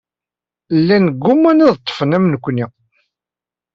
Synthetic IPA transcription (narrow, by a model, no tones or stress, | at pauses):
lːænɡːʊmːæniðt̪ˤːə̥fənæmnəkʷːni